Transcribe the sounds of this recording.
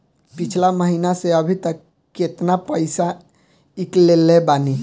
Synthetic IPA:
pit͡ʃʰlaməɦinaseəbʱit̪əkː | et̪napəɪsa | iklelebani

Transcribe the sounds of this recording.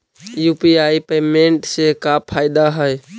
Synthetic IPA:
juːpiaːipeːmẽɳʈsekapʰaːɪd̪aɦəj

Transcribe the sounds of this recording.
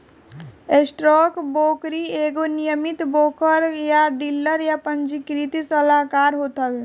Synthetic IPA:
esʈɾɔkboːkɾieɡonijəmit̪boːkəɾjaɖilːəɾjapənd͡ʒikɾit̪isəlakaːɾɦot̪əb

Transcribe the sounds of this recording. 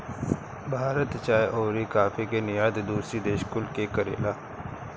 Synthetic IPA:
bʱaːɾət̪t͡ʃaːjʔoːɾikaːfikenɪjaːd̪d̪uːsɾid̪eːʃkʊlkekəɾḛːlaː

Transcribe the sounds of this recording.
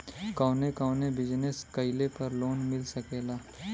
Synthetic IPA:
kaːnekaːnebɪd͡ʒneskɐɪlepɐɾloːnmɪlsɐkeːlaː

